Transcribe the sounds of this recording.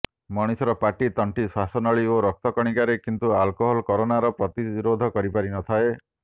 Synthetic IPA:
mɔɽ̃isɔɾɔpaʈit̪ɔɳʈisasɔnɔɭioɾɔk̚t̪ɔkɔɽ̃ikaɾekint̪ualkoɦɔlkɔɾonaɾɔpɾɔt̪iɾod̪ʱɔkɔɾipaɾinɔt̪ʰae

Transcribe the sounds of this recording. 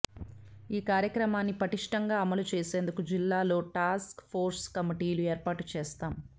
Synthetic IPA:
iːkaːɾjɐkɾɐmaːnːipɐʈiʂʈɐŋɡaːɐmɐlut͡ʃeːse̞ːnd̪ukud͡ʒilːaːlo̞ːʈaːskpʰo̞ːɾskɐmiʈiːlueːɾpaːʈut͡ʃɛːst̪aːm

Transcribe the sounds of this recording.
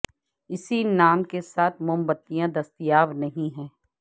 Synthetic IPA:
ɪsinaːmkesaːt̪ʰmʊmbət̪ːijãd̪ɐst̪ijaːʋnɐɦĩɦɛ̃ː

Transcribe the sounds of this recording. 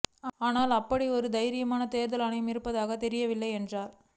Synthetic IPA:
aːnaːlɐpːɐɽiɔɾɯd̪ɐjɪɾɪjɐmaːnɐt̪eːɾðɐlɐɳɐjɐmɪɾɯpːɐðaːɣɐt̪ɛɾɪjɐʋɪlːɐɪɛndraːɾ

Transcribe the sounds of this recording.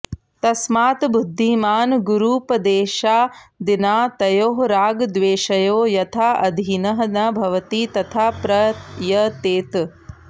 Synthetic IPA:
t̪ɐsmaːt̪bud̪ʱːimaːnɡuɾuːpɐd̪eːʃaːd̪inaːt̪ɐjoːɦɾaːɡd̪ʋeːʃɐjoːjɐt̪ʰaːɐd̪ʱinɐɦɐnɐbʱɐʋɐt̪iːt̪ɐt̪ʰaːpɾɐjɐt̪eːt̪

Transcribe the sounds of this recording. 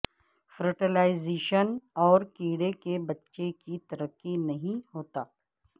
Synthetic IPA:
fɾəʈelaːɪzeːʃənɔːɾkiːɽekebɐtːʃekit̪ɐɾəqːinɐɦĩɦoːt̪aː

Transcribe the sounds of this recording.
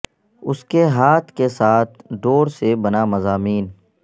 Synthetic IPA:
ʊskeɦaːt̪ʰkesaːt̪ʰɖoːɾsebɐnamɐzaːmiːn

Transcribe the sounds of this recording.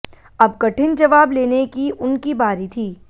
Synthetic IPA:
ɐbkɐʈɪnd͡ʒɐʋaːbleːnekiʔʊnkibaːɾit̪ʰiː

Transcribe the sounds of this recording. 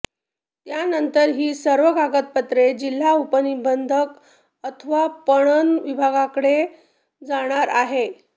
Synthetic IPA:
t̪janənt̪əɾɦiːsəɾʋəɡʱaɡət̪̚pət̪ɾed͡ʑil̤aupənibənd̪ʱək | ət̪ʰəʋapəɽ̃ənʋibʱaɡakəɽe | d͡zaɽ̃aɾaɦe

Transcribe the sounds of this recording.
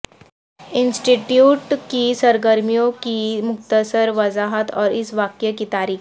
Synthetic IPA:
insʈiʈjuːʈkisəɾɡəɾmijokimʊkt̪əsəɾʋəzaɦət̪ɔːɾisʋakjəkiːt̪aɾiːk

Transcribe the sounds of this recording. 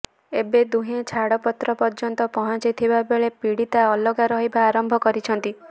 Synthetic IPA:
ebed̪uɦẽt͡ʃʰaɽɔpɔt̪ɾɔpɔɾd͡ʒɔnt̪ɔpɔɦɔ̃t͡ʃajt̪ʰibabeɭepiɽit̪aɔlɔɡaɾɔɦibaːɾɔmbʱɔkɔɾit͡ʃʰɔnt̪i

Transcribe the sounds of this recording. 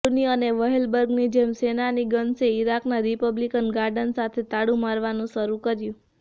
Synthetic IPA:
niəneʋəɦelbəɾɡnid͡ʒemsenaniɡənseiɾaknaɾipəblikənɡaɾɖənsat̪ʰet̪aɽũmaɾʋanũʃəɾukəɾjũ

